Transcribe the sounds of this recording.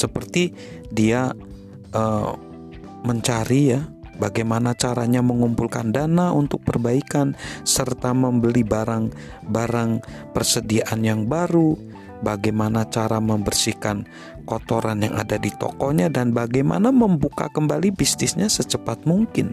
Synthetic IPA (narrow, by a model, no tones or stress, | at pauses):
səpərt̪i | dia | ʔəː | məɲt͡ʃaɾija | baɡajmanat͡ʃaɾaɲaməŋumpulkandanaunt̪ʊk̚pərbaikansərt̪aməmbəlibaɾaŋ | baɾaŋ | pərsədiaʔanjaŋbaɾu | baɡajmanat͡ʃaɾaməmbərsihkan | kɔt̪oɾanja̰ŋa̰dadit̪ɔ̰kɔɲadanbaɡajma̰naməmbuka̰kəmbalibisnɪsɲasət͡ʃəpat̪̚muŋkɪn